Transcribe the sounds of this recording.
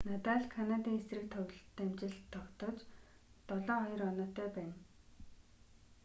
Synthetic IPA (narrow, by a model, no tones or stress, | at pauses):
nat̪aːɮkʰanat̪iːŋesrɘ̆k̚t̪ʰœw̆ʲɮt̪ːamt͡ɕɪ̆ɮt̪ʰːɔkt̪ɞ̆t͡ɕ | t̪ɔɮɔːχɔjɞ̆rɔnɔːt̪œːpæːn